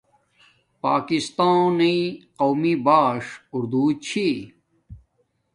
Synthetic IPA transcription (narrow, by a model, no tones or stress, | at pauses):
paːkist̪ãːniqowmibaːʂuɾd̪uːt͡ɕʰi